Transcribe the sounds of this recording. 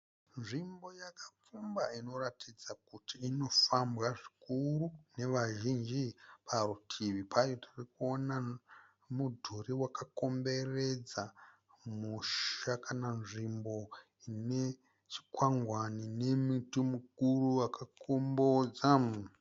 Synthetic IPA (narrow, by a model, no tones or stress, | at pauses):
nʐimbo̞jakap͡fumbaino̞ratid͡zakutiːno̞fambɣaʐikuɾune̞ʋaʒind͡ʒipʰarutʰiʋipʰajotirikuo̞na | mudʱuɾiwakako̞mbe̞re̞d͡za | muʃakananʐimbo̞ | ine | t͡ʃi̥kwaŋɡwanine̞mutumukuruwakakombod͡za